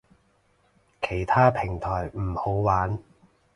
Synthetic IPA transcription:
kʰe˨˩jt̪ʰaː˥pʰɪ˨˩ŋt̪ʰɔː˨˩jm̩˨˩ho˨˥wwaː˨˥n

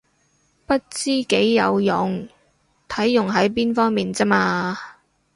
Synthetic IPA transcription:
pɐ˥t̚t͡siː˥ke˨˥jːɐ˨˧wjʊ˨˩ŋ | t̪ʰɐ˨˥jːʊ˨˩ŋɦɐ˨˥jp̬iː˥nfɔː˥ŋmiː˨nt͡sɐ˥maː˧

